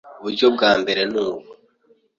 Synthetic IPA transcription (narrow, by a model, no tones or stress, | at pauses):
uβuɾɟo̞b̚ɡaːmbe̞ɾe̞nuːbɡo